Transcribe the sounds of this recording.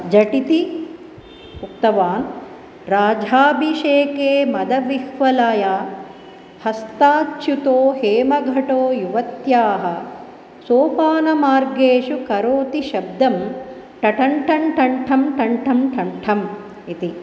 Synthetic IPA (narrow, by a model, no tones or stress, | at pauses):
d͡ʒɐʈit̪i | ukt̪ɐʋaːn | ɾaːd͡ʒʱaːbʱiʃeːkeːmɐd̪ɐʋihʋɐlaːjaː | hɐst̪aːt͡ʃːʃut̪oːheːmɐɡʱɐʈoːjuʋɐt̪jaːɦɐ̆ | soːpaːnɐmaːɾɡeːʂukɐɾoːt̪iʃɐb̚d̪ɐm | ʈɐʈɐɳʈʰɐɳʈʰɐɳʈʰɐmʈʰɐɳʈʰɐmʈʰɐɳʈʰɐm | it̪i